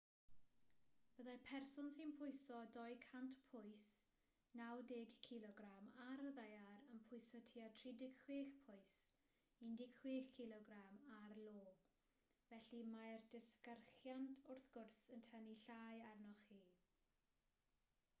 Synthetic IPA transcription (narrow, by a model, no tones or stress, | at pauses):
b̥əðajpʰɛrsɔnsɪnpʰʊɨsɔdɔjkʰantpʰʊjs | nawdɪɡkʰɪlˠɔɡramaɾəðajaɾənpʰʊjsɔtʰiatʰridɪkʰw̥eːxpʰʊɨs | indɪkʰwexkʰːɪlˠɔɡɾamarlˠoː | vɛɬimajrdɪskərχjantʰʊrθɡ̥ʊrsəntʰɛniɬajarnɔχiː